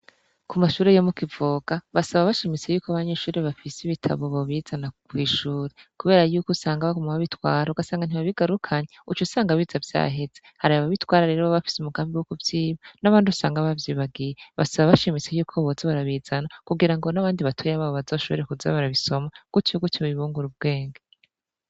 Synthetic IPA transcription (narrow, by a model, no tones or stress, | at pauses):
kumaʃuːɾejomukivoːɡ̥aβasaβaβaʃimit͡se̞juːkaβaɲe̞ːʃuːɾeβafisiβitʰa̰βo̞βoβiːzanakwiːʃuːɾekuβe̞ːɾajuːkusaːŋɡaβaɡomaβaβitwaːɾauɡasaːŋɡaniβaβiɡaɾukʰaɲeut͡ʃusaːŋɡaβiːzavja̰ːɦe̞z̥ehaɾaaβaβitwaːɾaɾe̞ːɾoβaβafi̥sumuɡaːmbiwukuvjiːβanaβaːndiusaːŋɡaβavjiːβaɡijeβa̰saβaβaʃimit͡se̞juːkʰoβozeβaɾaβiːzanakuɡiɾaŋɡo̞naβaːndiβatʰujaβaːβoβazo̞ːʃoβ̰ɾekuza̰βaɾaβiso̞maɡ̥ucuɡutiβiβuːŋɡuɾub̚ɡ̥e̞ːŋɡa